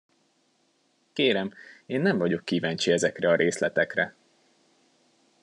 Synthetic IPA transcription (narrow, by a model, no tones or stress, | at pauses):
keːɾɛmeːnːɛɱvɒɟo̞kːiːvaːnt͡ʃiɛzɛkrɛɒɾʔeːslɛt̪ɛkrɛ